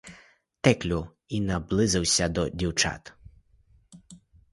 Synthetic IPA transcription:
t̪ɛklʲʊ | inɐblˠɪzɪwsʲɐd̪ɔdʲiwt͡ʃa̰t̪

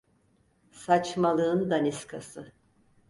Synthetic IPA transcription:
sat͡ʃmalˠɯɯnd̪aniskʰasɯ

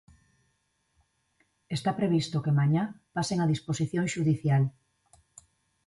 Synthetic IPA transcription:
est̪apɾeβist̪okemaɲapaseŋaðisposiθjõŋʃuðiθjal

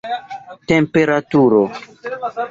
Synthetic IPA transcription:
tempe̞ɾatuɾo

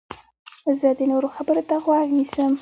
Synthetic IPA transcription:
zəd̪enoɾoxabəɾot̪aɣwɑɡnisəm

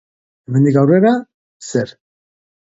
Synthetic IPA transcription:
emend̪ikɡawreɾa | seɾ

